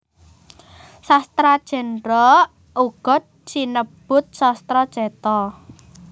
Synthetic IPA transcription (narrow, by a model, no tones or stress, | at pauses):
sast̪ɾad̥ʒ̥ɛ̤nɾɔ | ʔuɡ̥ɔ̤t̪̚t͡ʃinəb̥ʊ̤t̪̚sɔst̪ɾɔd̥ʒ̥ɛt̪ɔ